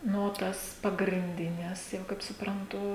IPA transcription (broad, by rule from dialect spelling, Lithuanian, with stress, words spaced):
ˈnʊ oː ˈtɐs pɐɡrʲɪnʲˈdʲɪnʲɛs jɛʊ kɐɪp sʊprɐnˈtʊ